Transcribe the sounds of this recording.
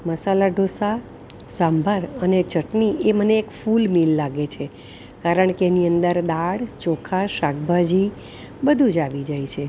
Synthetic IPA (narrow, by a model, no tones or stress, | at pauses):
məsalaɖʱosa | sãmbʱəɾənet͡ʃəʈnieməneːkfulmilːaɡet͡ʃʰe | kaɾəɳkeːniənd̪əɾd̪aɽt͡ʃokʰaʃaɡbʱad͡ʒi | bəd̪ʱũd͡ʒaʋid͡ʒajt͡ʃʰe